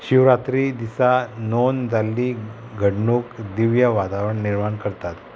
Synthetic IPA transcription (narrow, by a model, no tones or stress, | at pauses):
ɕiʋɾat̪ɾid̪isanond͡zalːi | ɡʱəɽɳokd̪iʋjəʋat̪aʋɾəɳniɾmaɳkəɾt̪at̪